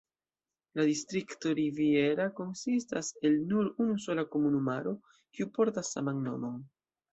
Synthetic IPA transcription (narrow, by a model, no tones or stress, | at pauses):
ladistɾikto̞ɾivie̞ɾako̞nsistase̞lnuɾunuso̞lako̞munumaɾo̞ | kiupo̞ɾtasːa̰manːo̞̰mo̞n